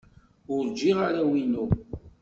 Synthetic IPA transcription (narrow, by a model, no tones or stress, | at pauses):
ʊɾd͡ʒːiʁaɾawinːu